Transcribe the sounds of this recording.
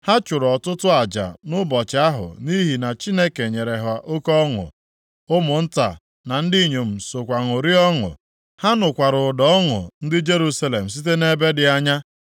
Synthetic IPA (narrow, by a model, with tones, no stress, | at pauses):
ha˦t͡ʃʊ˨ɾɔ˨tʊ˦tʊ˦a˨d͡ʒa̰˨nʊ˦bɔ˨t͡ʃa˦ɦʊ̰˨ni˦ɦi˨na˨t͡ʃi˦ne˦ke˨ɲe˨ɾe˨ɦa˨ʔo˦kɔ˦ŋʊ̰˨ | ʊ˦mʊ˨n̩˦ta̰˨ | na˨n̩˦di˦˨ɲo˨m̩˨so˨kʷa˨ŋʊ˨ɾi˦ɔ˦ŋʊ̰˨ | ha˦nʊ˨kʷa˨ɾʊ˨dɔ˦ɔ˦ŋʊ̰˨n̩˦dɪ˦d͡ʒe˦ɾu˦sa˦le˨m̩˨s̬i˦t̬e˦ne˦be˦dɪ˨a˦ɲa˦